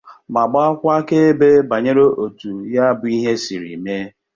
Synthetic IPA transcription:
ma˨ɡ͡ba˦kʷa˦ke˦e˦be˦ba˨ɲe˦ɾo˦ʔo˨tu˨ja˦bʊ˨i˦ɦe˦si˨ɾḭ˨me˦

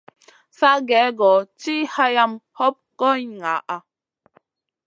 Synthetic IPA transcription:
sa˦ɡɛ˨˦ɡɔ˨ti˦ha˦ja˦mhɔ˦p̚kɔ˦˨ŋa˨ʔa˦

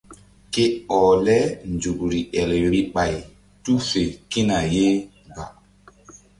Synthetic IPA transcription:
ke˦ɔ˨lɛ˦nd͡ʒu˨kɾi˨ʔɛ˨lɾi˨ɓa˨j | tu˦fe˨ki˦na˨je˦ | ɡa˨

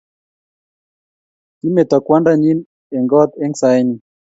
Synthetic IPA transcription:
ti˦me˨t̪ɔ˨kwa˦nda˦ɲi˦n | ɛ˨ŋɡɔ˦t̪ɛ˦ŋsa˦jni˨

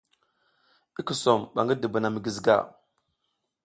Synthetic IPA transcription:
i˦ki˨so˨mɓa̰˨ŋɡə˦də˨ba˨na˨mi˨ɡi˨zɡa̰˦˨

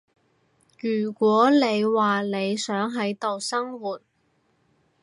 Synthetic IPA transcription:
jyː˨˩kʷɔː˨˥ne˨˧jwaː˨ne˨˧jsœː˨˥ŋɦɐ˨˥jt̪o˨wsɐ˥ŋwuː˨t̚

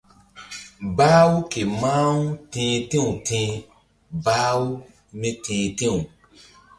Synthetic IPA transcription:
baː˦wu˦ke˨mãː˦wu˦tẽː˧tẽ˦ũ˨tʰẽ˧˦ | baː˦wu˦ | mẽ˦tẽː˨tẽ˦˨ũ˨

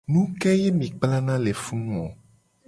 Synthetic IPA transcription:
nũ˦kɛ˦jɛ˦mĩ˨k͡pla˦nã˦le˨fũ˦nũ˦o˨

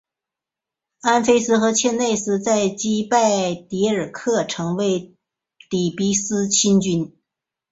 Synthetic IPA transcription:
a˥nfe˥ɪsɹ̩˥xɤ˧˥t͡ɕʰjɛ˥˧nne˥˧ɪsɹ̩˥t͡sa˥˩ɪt͡ɕi˥pa˥˩ɪt̪i˧˥ə˞˨˩kʰɤ˥˩ʈ͡ʂʰɤ˧˥ŋwe˧˥ɪ | t̪i˨˩pi˥sɹ̩˥t͡ɕʰi˥nt͡ɕy˥n

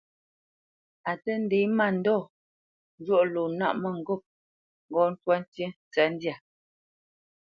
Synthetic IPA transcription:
a˨tə˦n̩˦de˨˦ma˦˨n̩˨dɔ˦˨ | n˦d͡ʒwɔ˦ʔlo˨na̰˦ʔmə˦˨ŋ̩˨ɡo˦˨p̚ | ŋɡɔ˨˦n̩˦twa˦n˦tje˦˨t͡sɛ˨˦n̩˦dja˨

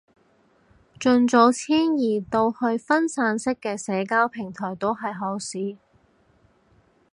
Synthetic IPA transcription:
t͡ʃɵ˧nt͡so˨˧˥wt͡sʰiː˥njiː˨˩t̪o˧whɵ˧ɥfɐ˥nsaː˨˧nsɪ˥kːɛː˧sɛː˨˧kaː˥wpʰɪ˨˩ŋt̪ʰɔː˨˩jt̪o˥wɦɐ˨jɦɔː˨˥siː˨˥

